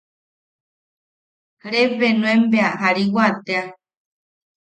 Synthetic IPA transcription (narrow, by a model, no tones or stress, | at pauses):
ɾeβenũẽmbeaɦaɾiwat̪ea